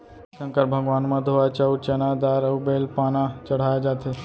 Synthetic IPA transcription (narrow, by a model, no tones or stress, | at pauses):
sɐ̃ŋkəɾbʱɐɡʋaːnmɐ̃d̪ʱoʋat͡ʃɐwt͡ʃɐnad̪aːɾɐubeːlpaːnat͡ʃɐɽ̤aːjad͡ʒaːt̪ʰe